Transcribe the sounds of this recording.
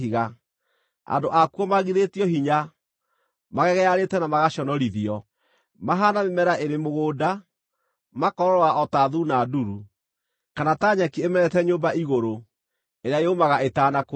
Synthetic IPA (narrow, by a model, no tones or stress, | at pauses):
iɣa | a̰ndoʔakuɔmaɣiðetiɔɦiɲa | maɣɛɣɛaɾetɛnamaɣaɕɔnɔɾiðiɔ | maɦanamemɛɾaʔeɾemoɣoːda | makɔɾɔɾɔwaʔɔtaðunaduɾu | kanataɲakiemɛɾɛtɛɲoːmbaiɣoɾo | eɾeaeomaɣaetaːnako